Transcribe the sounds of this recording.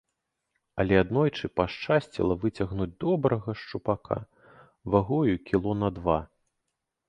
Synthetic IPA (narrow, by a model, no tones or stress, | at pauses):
ɐlʲɛad̪nɔjt͡ʂɨpaʂt͡ʂasʲt͡sʲḭlˠɐvɨt͡sʲɐɣnud͡zʲd̪ɔbɾɐɣɐʂt͡ʂupakʰa̰ | vaɣɔjukʲilˠɔnɐd̪va